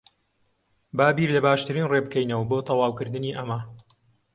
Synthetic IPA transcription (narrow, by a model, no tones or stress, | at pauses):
baːbiɾlɐbaːʃt̪ɨɾiːnrebɨkɛjnɐwɐbot̪ʰɐwɑːwkɨɾd̪ɨniːʔɐmɐ